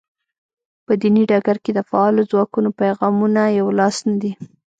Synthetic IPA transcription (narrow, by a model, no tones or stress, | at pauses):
pəd̪iniɖɑɡaɾked̪əfaɑlozwɑkunopajɣɑmunajawlɑsnad̪i